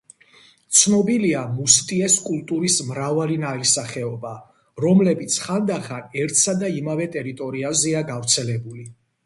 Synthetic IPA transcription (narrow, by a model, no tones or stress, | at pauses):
t̪sʰnɔbiliamust̪ʼiɛskʼulˠt̪ʼuɾismɾavalinaisaχɛɔba | ɾɔmlɛbit̪sʰχand̪aχanɛɾt̪ʰsad̪aimavɛt̪ʼɛɾit̪ʼɔɾiazɛaɡavɾt̪sʰɛlɛbuli